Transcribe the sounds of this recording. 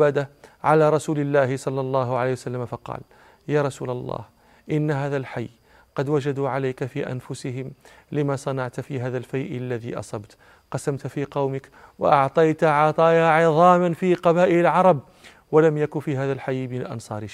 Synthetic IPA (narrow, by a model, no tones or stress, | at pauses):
aːd̪aʕalaːɾˤɑsuːlɪlːæːhɪsˤɑlːɑlˤːɑːɦʊʕalejːwsalːamfɑqɑ̰ːl | jaːɾˤɑsṵːlɑlˤːɑ̰ːh | ʔɪnːɦaːðælħajː | qɑd̪wad͡ʒad̪uːʕalajkafḭːʔa̰nfʊsɪɦɪmlɪmasˤɑnɑʕt̪fiɦaːðalfajʔɪlːæðḭːʔɑ̰sˤɑbt̪ | qɑsamt̪fiqɑwmɪkwɑ̰ʔɑʕt̪ˤɑjt̪ʕɑt̪ˤɑːaʕɪðˤɑːmanfiːqɑbaːʔɪlɪlʕɑɾˤɑb̚ | walamjakʊnfiːɦæːðælħajːmɪnlʔɑ̰nsˤɑ̰ːɾɪ